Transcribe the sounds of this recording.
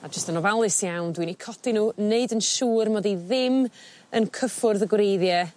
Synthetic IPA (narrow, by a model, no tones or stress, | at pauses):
ad͡ʒəstənɔvalˠɪsjawndwinikʰɔtinuːneɨdənʃuːrmɔdiðɪm | ənkʰəfʊrðəɡwɾejðjɛ